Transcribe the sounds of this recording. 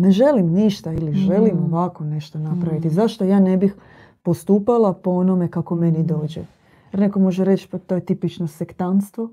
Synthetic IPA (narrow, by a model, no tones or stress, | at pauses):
ne̞ʒe̞limniʃt̪ailiʒe̞limo̞ʋako̞ne̞ʃt̪onapɾaʋit̪izaʃt̪o̞jaːne̞bix | po̞st̪uːpalˠapoonome̞kako̞me̞nid̪o̞ːd͡ʑḛ | jeɾneko̞mo̞ʒeɾet͡ʃpt̪o̞ːjet̪ipit͡ʃnosekt̪anst̪ʋo̞